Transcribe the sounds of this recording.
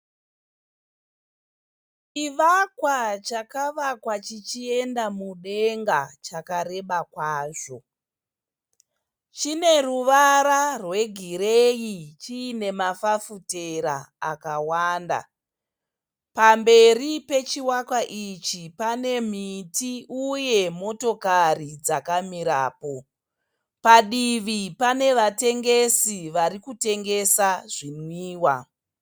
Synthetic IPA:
iʋakwat͡ʃakaʋakwat͡ʃit͡ʃie̞ndamuɗe̞ŋɡat͡ʃakaɾe̞ɓakwaːʐo̞ | t͡ʃine̞ruʋaɾarwe̞ɡʱiɾejit͡ʃiːne̞mafafuteɾa̰akawaːnda̰ | pambe̞ripe̞t͡ʃiwakwaʔit͡ʃipane̞mitiuje̞mo̞to̞karid͡zakamiɾa̰ːpo̞ | paɗiʋipane̞ʋate̞ŋɡe̞siʋaɾikute̞ŋɡe̞saʐinwiːwa

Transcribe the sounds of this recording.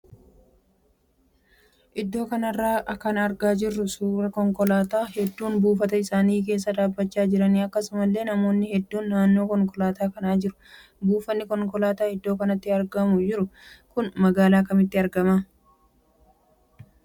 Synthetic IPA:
ʔɪd̪ːo̞ːkɐnɐrːaːʔɐkːɐnɐɾɡaːd͡ʒɪrːʊsuːɾɐkɔŋkɔlaːt̪aːhɛd̪ːuːnbuːfɐt̪ɐɪsaːniːk̬e̞ːs̬ːɐᶑ̪aːbːɐt͡ʃːaːd͡ʒɪɾɐniːɐkːɐsʊmɐlːe̞ːnɐmo̞ːnːɪhɛd̪ːuːnːaːnːo̞ːkɔŋkɔlaːt̪aːkɐnaːd͡ʒɪɾʊ̥ | buːfɐnːɪkɔŋkɔlaːt̪aːhɪd̪ːo̞ːkɐnɐt̪ːɪɐɾɡɐmʊd͡ʒɪɾʊkʊnmɐɡaːlaːkɐmɪt̪ːɪɐɾɡɐmaː

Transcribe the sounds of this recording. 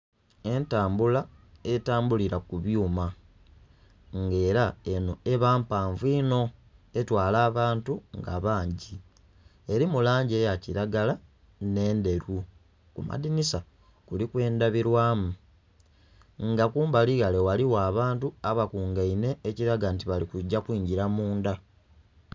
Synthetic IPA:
e̞ntaːmbulaetaːmbuliɾakuβjuːma | ŋɡe̞ːɾaenoe̞βaːmpaːɱviːno̞e̞twaːlaːβaːntuŋɡa̰βaːɲɟi | e̞ɾimulaːɲɟejaciɾaɡala | ne̞ːnde̞ɾu | kuma̰dinisa | kulikwe̞ːndaβiɾwaːmu | ŋɡakuːmbaliɣalewaliwaːβaːntuaβakuːŋɡaine̞ːciɾaɡantiβalikuɟːakwiːɲɟiɾamuːnda

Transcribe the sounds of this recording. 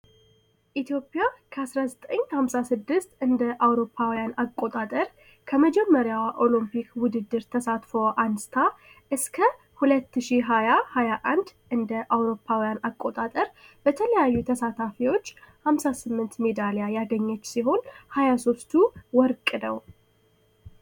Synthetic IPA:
ʔit̪jo̞pʼːjakʰəasɾazət̪ʼəɲːhamsasɨd̪ːɨst̪ɨnd̪əʔawɾo̞pʰːawijanakʼːo̞t̪ʼat̪ʼəɾ | kʰəməd͡ʒɛmːəɾjawʔo̞limpʰikwʊd̪ɨd̪ːɨɾt̪ʰəsat̪fo̞ʔansɨ̥t̪ʰa | ʔɨskʰə | hulət̪ːɨʃiɦajahajaʔand̪ʔɨnd̪əʔawɾo̞pʰːawijanakʼːo̞t̪ʼat̪ʼəɾb̥ət̪ʰələjajːut̪ʰəsat̪ʰafiwo̞t͡ʃːhamsasɨmːɨnt̪me̞d̪alejajaɡəɲːət͡ʃːsiɦo̞nhajaso̞st̪ʰuwɔɾkʼnəw

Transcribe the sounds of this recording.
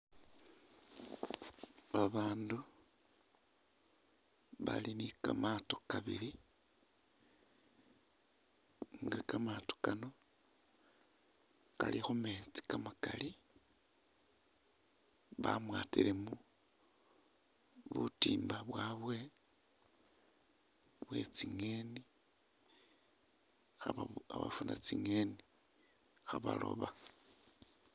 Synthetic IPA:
βaβaːndu | βa̰linikamato̞kaβḭli | ŋɡakamaːto̥kano̞ | ka̰lixume̞t͡si̥kamakali | βamwaːtiɾemu | βutiːmbaβwaːβwe̞ | βwe̞̰t͡siŋe̞ni | xaβaaβafunat͡siŋeni | xaβalo̞̰βa

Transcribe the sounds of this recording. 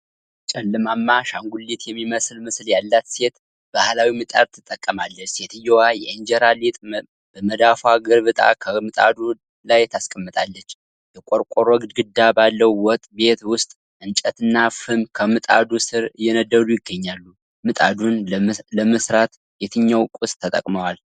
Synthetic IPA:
t͡ʃʼɛlːɨmamːaʃaŋɡulːit̪jɛmːiməsɨlmɨsljalːat̪se̞t̪ | b̥ahlawimɨt̪ʼa̰d̪̚t̪ʰːɨt̪ʼːəkʼːəmalːət͡ʃse̞t̪ʰɨjːowajɛʔend͡ʒɛɾalit̪ʼ | b̥əməd̪afwaɡɨɾβɨt̪ʼa̰kʰəmɨt̪ʼa̰d̪u | lajt̪ʰaskʼəmːɨt̪ʼalːət͡ʃː | jɛkʼoɾkʼoɾɔɡd̪ɡɨd̪ːabalːəwwɔt̪ʼːbe̞t̪wʊst̪ʼ | ʔɨnt͡ʃʼət̪ɨnːafɨmkʰəmɨt̪ʼa̰d̪usɨɾɨjːɛnəd̪ːəɾujɪɡːəɲːalːu | mɨt̪ʼa̰d̪unləmɨsɾat̪ | jet̪ʰɨɲːawkʼust̪ʰːət̪ʼə̰kʼməwal

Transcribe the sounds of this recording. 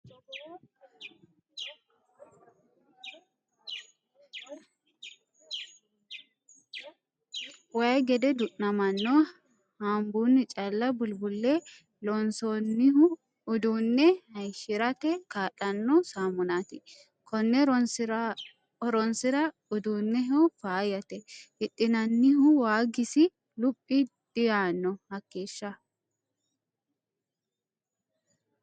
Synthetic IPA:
waɛɡɛd̪ɛd̪ʊʔnɐmɐnːoː | haːmbuːnːɪt͡ʃʼɐlːɐbʊlbʊlːe | lɔnsɔnɪ | ʊd̪uːnːɛhɐjʃɪɾɐt̪ɛkaːᶑɐnːɔsaːmʊnaːt̪ɪ | kɔnːɛɾ | ɔɾɔnsɪɾɐ | ʊd̪uːnːɛɦofaːjɐt̪ɛhɪᶑɪnɐnːɪɦʊwaːɡɪsɪ | lʊpʼːid̪̥ɪjaːnːɔhɐkːeːʃːɐ

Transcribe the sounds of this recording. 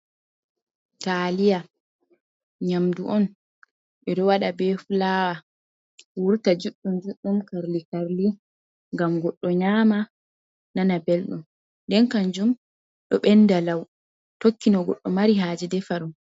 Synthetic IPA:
taːlija | ɲamduʔɔn | ʔɛɗɔwaɗabɛfulaːwa | wuɾtad͡ʒuɗːumd͡ʒuɗːumkaɾlikaɾli | ŋɡamɡɔɗːɔɲama | nanabɛlɗum | ndɛnkand͡ʒum | ɗɔɓɛndalaw | tokːinɔɡɔ̰ɗːɔmaɾiɦaːd͡ʒidɛfaɾum

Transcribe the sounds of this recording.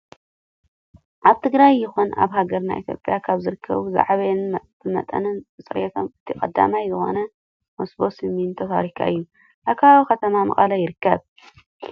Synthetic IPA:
ʔaβt̪ʰɨɡɾajːɪxuna̰βɦaɡɐɾna̰ʔit̪ʰjo̞̰pʼjakʰaβzɨɾɨkʰːɐ̰βuza̰ʕβɐnbɨmɐ̰t̪ʼɐ̰nɨnbɨt͡sʼɨɾet̪ʰomɨt̪ʰikʼɐd̪ːa̰majzɨxo̞̰nɐ | mosbo̞sɨmint̪ʰota̰ɾikʰːa̰ʔɨjːu | ʔakʰaβokɐt̪ʰɐmamɐ̰χʼɐlɐjɪɾɨkːɐβ

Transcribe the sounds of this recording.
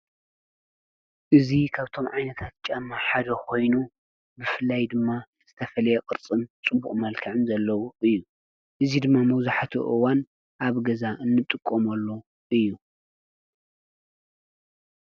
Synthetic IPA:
ʔɨzikʰaβt̪ʰo̞mʕajnɐt̪ʰat̪̚t͡ʃʼɐmːaħad̪ɐkʰo̞jnu | bɨfɨlːajd̪ɨmːa | z̥ɨt̪ʰɐfɐlɐjɐqʼɨɾt͡sʼɨmt͡sʼɨbuχʼmɐlkʰɐʕɨnzɐlːɐwuɨjːu | ʔɨzid̪ɨmːamɐwzaħat̪ʰṵʔɨwan | ʔaβɡɐzaʔɨnːɨt̪ʼɨkʼːomɐlːo | ʔɨjːu

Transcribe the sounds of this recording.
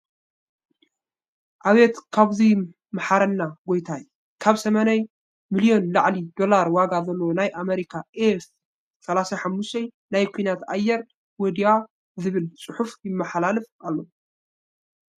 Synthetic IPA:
ʔaβet̪kʰaβzi | maħaɾɐnːaɡo̞jt̪ʰaj | kʰaβsɐmanaj | milijo̞nlaʕlid̪o̞laɾwaɡazɐlːowonajʔameɾikʰaʔef | sɐlasaħamːuʃt̪ʰɐj | najkʰujnat̪ajːɛɾ | wɔd̪iwa | zɨβɨlt͡sʼɨħufjɪmːɐħalalɨfʔalːo̞

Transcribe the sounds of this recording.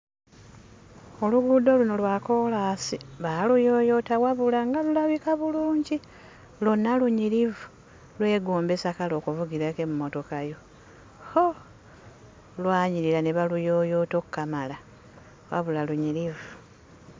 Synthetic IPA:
o̞luɡudo̞luno̞lwaːko̞laːsiβalujo̞ːjo̞tawaβulaŋɡalulaβikaβuluːɲɟi | lonːaluɲiɾivu | lwe̞ːɡuːmbesakalo̞ːkuvuɡiɾakemumoto̞kajo̞ | ho | lwaːɲiɾiɾaneβalujoːjo̞ːtokːamala | wa̰βulaluɲiɾivu

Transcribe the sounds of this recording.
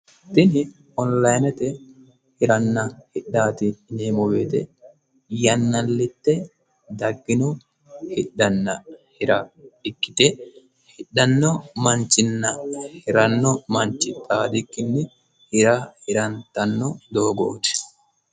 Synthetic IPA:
t̪ɪnɪ | ɔnlɐjnɛt̪ɛ | hɪɾɐnːɐhɪɗːaːt̪ɪneːmɔbeːt̪ɛ | jɐnːɐlːɪt̪ːɛ | d̪ɐɡːɪnɔ | hɪᶑːɐnːɐhɪɾaᶑɪkːɪ̥t̪ɛ | hɪɗːɐnːɔmɐnt͡ʃːɪnːɐhɪɾɐnːɔmɐnt͡ʃːɪt̪ʼaːd̪ɪkːɪnːɪ | hɪɾahɪɾɐnt̪ɐnːɔd̪oːɡɔt̪ɛ̥

